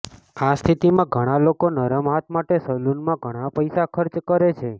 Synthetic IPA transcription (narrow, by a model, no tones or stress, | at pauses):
ast̪ʰit̪imãɡʱəɽ̃alokonəɾəmɦat̪ʰmaʈesəlunmãɡʱəɽ̃apəjsakʰəɾt͡ʃkəɾet͡ʃʰe